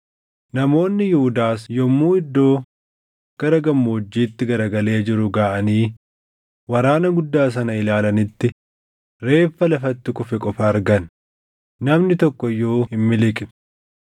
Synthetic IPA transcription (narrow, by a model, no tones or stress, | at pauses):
nɐmo̞ːnːɪjɪhʊd̪aːsjɔmːuːɪd̪ːo̞ː | ɡ̥ɐɾɐɡɐmːoːd͡ʒːiːt̪ːɪɡɐɾɐɡɐle̞ːd͡ʒɪɾʊɡaːʔɐniː | wɐɾaːnɐɡʊd̪ːaːs̬ɐnɐɪlaːlɐnɪt̪ːɪ | ɾe̞ːfːɐlɐfɐt̪ːɪkʼʊfɛkʼɔfɐːɾɡɐnː | ɐmnɪt̪ɔkːɔjːo̞ːhɪmːɪlɪkʼɪ